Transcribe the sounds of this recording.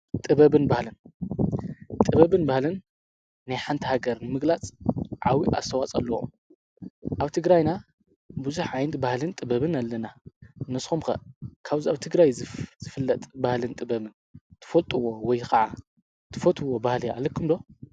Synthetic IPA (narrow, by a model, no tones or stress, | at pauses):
t̪ʼɨβɐβɨnbahlɨn | t̪ʼɨβɐβɨnbahlɨnː | ajħant̪ʰihaɡɐɾnɨmɨɡlat͡sʼʕawiʔa̰st̪ʰɐwat͡sʼɐlːɐṵm | ʔaβt̪ʰɨɡɾajna | buzuħʕajnɐt̪bahlɨnt̪ʼɨbɐβɨnalːɐnanɨsxumxɐ̰kʰaβziaβt̪ʰɨɡɾajzz̥ɨfɨlːɐt̪ʼbahlɨnt̪ʼɨbɐβɨn | t̪ʰɨ̥fɐlt̪ʼɨwowɔjkʰɐʕa | t̪ʰɨfot̪ʰʼuwobahlia̰lɐkʰːɨmd̪o